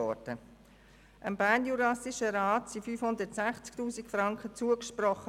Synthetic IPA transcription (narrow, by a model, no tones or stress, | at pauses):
ɔd̥ə | ʔəmbænjuɾɑsiʃəɾaːtsifyːfhʊndətsæχt͡sktuːsikfɾɑŋkχət͡suəkʃprɔχə